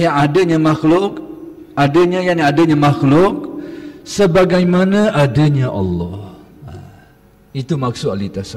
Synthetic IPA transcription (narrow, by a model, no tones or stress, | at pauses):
jaŋadaɲamaxlʊk̚ | adaɲajaadaɲamaxlʊk̚səbaɡajmanaʔadaɲaʔɑ̰lːɔh | a | it̪umak̚sʊalit̪asa